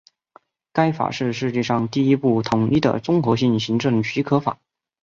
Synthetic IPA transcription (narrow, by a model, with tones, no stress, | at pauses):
ka˥ɪfa̰˨˩ʂɻ̩˥˧ʂɻ̩˥˧t͡ɕɛ˥˧ʂɑ˥˧ŋt̪i˥˩i˥pu˥˩t̪ʰʊ˧˥ŋi˥˩d̪ə̰˨˩ʈ͡ʂʊ˥ŋxɤ˧˥ɕi˥˩ŋɕi˧˥ŋʈ͡ʂɤ˥˩ŋt͡ɕʰi˧˥kʰɤ˧˥fa̰˨˩˦